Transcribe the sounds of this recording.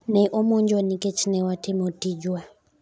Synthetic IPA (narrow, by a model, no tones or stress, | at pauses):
nɛʔɔmɔɲd͡ʒɔnikɛt͡ʃʰinɛwatɛmɔtid͡ʒwa